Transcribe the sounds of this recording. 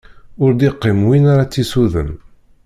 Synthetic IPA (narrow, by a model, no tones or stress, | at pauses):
ʊɾd̪iqːɪmwinaɾat͡sːisuðə̰n